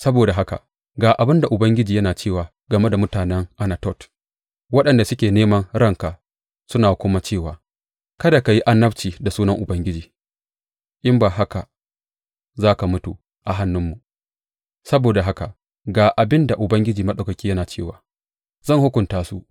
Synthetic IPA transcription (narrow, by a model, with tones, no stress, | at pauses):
sɐ˦boː˨da˨ɦa˦ka̰˨ | ɡaː˨ʔa˨bɪ˦nda˨ʔʊ˨bɐ˦ŋɡʲɪ˦d͡ʒiː˨jɐ˦naː˨t͡ʃeː˦˨waː˨ | ɡɐ˨me˦da˨mʊ˦taː˨nɛ˦ŋʔa˦na˨tɔ˦˨t | wɐ˦ɗɐ˨nda˨sʊ˦kʲeː˨neː˦mɐ˦ŋɾɐ˦ŋka˨ | sʊ˦naː˨kʷʊ˦ma˦t͡ʃeː˦˨waː˨ | kɐ˦da˨ka˨ji˦ʔa˦nːɐ˦bt͡ʃiː˨da˨suː˦nɐ˦ŋʔʊ˨bɐ˦ŋɡʲɪ˦d͡ʒiː˨ | ʔɪ˦mbaː˨ɦa˦ka˨ | zaː˦ka˨mʊ˦tu˨ | ʔa˨ɦa˦nːʊ˦mːu˨ | sɐ˦boː˨da˨ɦa˦ka˨ | ɡaː˨ʔa˨bɪ˦nda˨ʔʊ˨bɐ˦ŋɡʲɪ˦d͡ʒiː˨mɐ˦ɗɐ˨kɐ˨kʲiː˦jɐ˦naː˨t͡ʃeː˦˨waː˨ | zɐ˦˨ŋhʊ˦kʷʊ˨ntaː˦su˦ʔ